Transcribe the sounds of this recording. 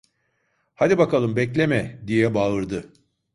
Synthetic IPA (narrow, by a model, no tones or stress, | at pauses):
had̪ibakalˠɯmbɛclʲemɛd̪ijɛbaɯɾd̪ɯ